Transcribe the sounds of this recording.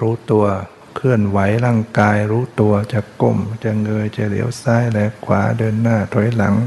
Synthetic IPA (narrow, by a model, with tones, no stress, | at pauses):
ɾuː˦˥t̪u˧ɐ | kʰɯ˧˩ənwa˩˦jlaː˧˩ŋkaː˧jɾuː˦˥t̪u˧ɐt͡ɕa˧˩ko˧˩mt͡ɕa˧˩ŋɤː˧jt͡ɕa˧˩lḭ˩˦əwsaː˦˥jlɛː˧˥kʰwaː˩˦dɤː˧nːaː˥˩t̪ʰɔ˨˩˦jla̰˨˩˦ŋ